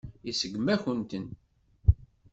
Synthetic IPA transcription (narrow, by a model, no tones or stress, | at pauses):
isəɡmæçənt̪ən